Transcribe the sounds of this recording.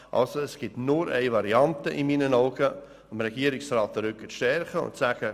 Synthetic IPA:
ʔɑ̰lsoɛsɡ̥ɪtnʊɾʔɛɪvɑɾiɑntəʔɪmiːnənaʊɡə | əmɾɛɡ̥iːəɾɪksraːt̚dəɾʏkːəʃtɛɾχəʊ̰ntsæɡ̥ə

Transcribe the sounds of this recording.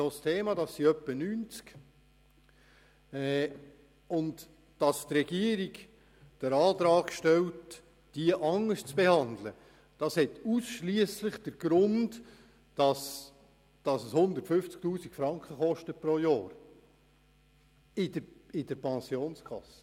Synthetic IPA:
ostʰeːmɑd̥ɑsːiœpːənyːnt͡sk | ɛ | ʊnd | d̥ɑstrɛɡ̥iəɾiɡ | d̥əɾɑːtɾɑːkʃtɛlt | d̥iəʔɑŋːəst͡sb̥ehɑnd̪lə | d̥ɑshɛtusʃliəslɪχd̥əɾɡ̥ɾʊnd | d̥ɑs | d̥ɑsəshʊnd̪əɾtfʏft͡sk̚tuːsikfɾɑŋkχəχɔʃtəpɾoːjɑːɾ | ɪdəɪdəɾpʰɛnsjoːnskʰɑ̰sːə̥

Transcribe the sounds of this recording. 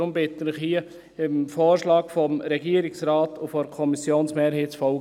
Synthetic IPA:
ʊmbɪtənɪχhiːə | ɪmfoːɾʃlɑːɡfɔmɾɛɡiːɾɪksrɑːtʊfɔɾkʰɔmisjoːnsmeːɾheːtt͡sfɔlɡ

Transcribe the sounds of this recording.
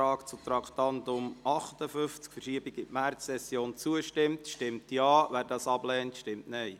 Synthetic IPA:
ɑːkt͡sut̪ɾɑktɑntʊmɑχtəfʏft͡skfərʃiəbiɡɪtmæɾːɛsjoːnt͡suəʃtɪmtʃtɪmtjɑːʋæːɾdɑːsɑblɛːntʃtɪmtnɛɪ

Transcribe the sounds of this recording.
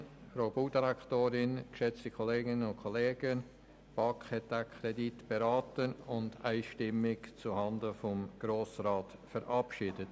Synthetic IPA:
ɾobuːdiɾɛktoːɾɪnkʃɛt͡stikʰoleːɡɪnənʊntkʰoleːɡən | b̥ɑkχhɛt̚d̥akʰɾɛditb̥eɾaːtənʊndaɪʃtɪmɪkt͡suhɑndəfɔmɡ̥ɾoːsraːt | fəɾʔɑpʃɪːdət

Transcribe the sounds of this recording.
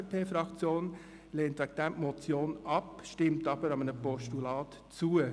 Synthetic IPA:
pʰeːfɾɑkt͡sjoːn | leːnt̪ʋɛk̚t̪æmmɔt͡sjoːnɑpʃtɪmtɑbəɾɑmənəpɔʃtulɑːt | t͡suə

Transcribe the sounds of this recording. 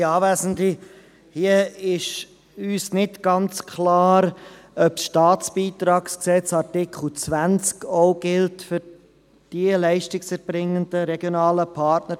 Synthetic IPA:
ɑːvæːzən̩di | hiəɪʃ | yːsnɪtɡ̥ɑnt͡skʰlɑːɾœpsʃtɑːt͡sb̥iːt̪ɾɑːksksɛt͡sɑɾtɪkχl̩t͡sʋænt͡skoʊɡ̥ɪltfʏɾ | d̥iəlɛɪʃtɪksɛɾb̥ɾɪŋːənd̥əɾɛɡjonɑːləpʰɑɾtnə

